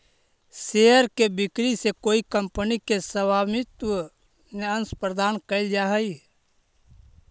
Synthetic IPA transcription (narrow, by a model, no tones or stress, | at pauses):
seəɾkebɪkɾisekoːikə̃mpənikesəbaːmɪt̪wə | neə̃nspɾəd̪aːnkəld͡ʒaɦəi